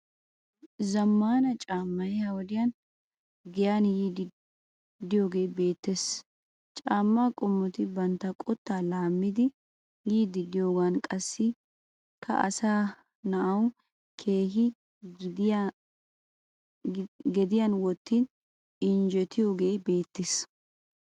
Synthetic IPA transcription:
zɐmːaːnɐt͡ʃʼaːmːɐjɛhɐwɔd̪ɪjɐn | ɡɪjanjiːd̪ | d̪ɪjo̞ːɡe̞ːbe̞ːt̪ːes | t͡ʃʼaːmːaːkʼʊmːɔt̪ɪbɐnt̪ːɐkʼɔt̪ːaːlaːmːɪd̪ɪ | jiːd̪ɪɡ̪ɪjo̞ːɡankʼɐsːɪ | kʰɐ̰ʔɐ̰saː | nɐʔɐw | kʰe̞ːɦɪ | ɡɛd̪ɪjɐnwɔt̪ːiːn | ɪnd͡ʒɛt̪ʰɪjoːɡe̞ːbe̞ːt̪ːɪs

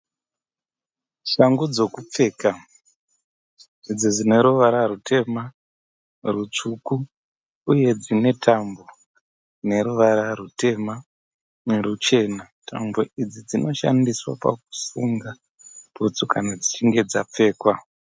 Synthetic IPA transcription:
ʃaŋɡud͡zo̞kup͡fe̞ːka | id͡zid͡zine̞ɾuʋaɾaɾute̞ma | rut͡ʂukuː | je̞d͡zine̞tʰambo̞ | ne̞ɾuʋaɾarute̞ma | neɾut͡ʃe̞na | tʰa̰mboʔid͡zid͡zino̞ʃa̰ndiswa̰pa̰k̚u̥suŋɡa | put͡sukʰanad͡zit͡ʃiŋɡe̞d͡zap͡fe̞ːkwa

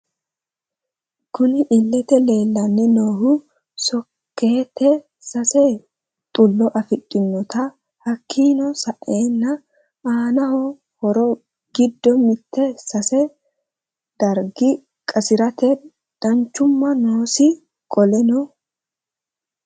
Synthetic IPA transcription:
kʊnɪʔɪlːɛt̪ɛle̞ːlːɐnːɛnoːhʊ | sɔ | kʰːe̞ːt̪ːɛ | sɐsɛ | t̪ʼʊlːɔʔɐfɪt̪ʼːɪnːɔt̪ɐ | hɐkʰːiːnɔsɐʔe̞ːnːɐ | ʔaːnɐhɔ | hɔɾɔ | ɡɪd̪ːɔmɪt̪ːɛsɐsɛ | d̪̥ɐɾɡɪ | kʼɐsɪɾɐt̪ɛ | d̪̥ɐɲt͡ʃːʊmːɐnoːsɪ | kʼɔlɛnɔ

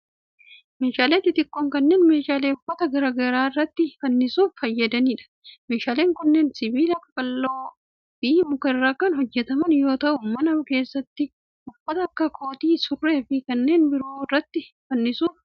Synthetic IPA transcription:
me̞ːʃaːleːt̪ːɪt̪ɪkːoːŋkɐnːe̞ːnme̞ːʃaːleːʊfːɐt̪ɐɡɐɾɐɡɐɾaːɪrːɐt̪ːɪfɐnːɪsuːffɐjːɐd̪ɐniːᶑɐ̥ | me̞ːʃaːle̞ːŋkʊnːeːnsɪbiːlɐkːɐkʼɐlːoː | biːmʊkɐɪrːaːkɐnhɔd͡ʒːɛt̪ɐmɐnjo̞ːt̪ɐʔʊmɐnɐʊke̞ːsːɐt̪ːɪ | ʊfːɐt̪ɐɐkːɐkʰo̞ːt̪iːsʊrːe̞ːfɪkɐnːe̞ːnbɪɾoːɪrːɐt̪ːɪ | fɐnːɪsuːf

